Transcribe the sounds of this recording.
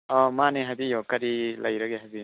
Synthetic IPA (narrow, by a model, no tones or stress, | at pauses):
ɔmaneɦabijɔkaɾilajɾaɡeɦabi